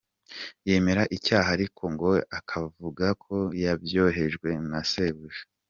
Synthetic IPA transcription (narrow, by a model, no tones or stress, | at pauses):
je̞ːme̞ɾaʔicaːɦaɾikʰo̞ŋɡo̞akʰavuɡakʰo̞jabjo̞ːɦe̞ʒɡwe̞naseβuʒe̥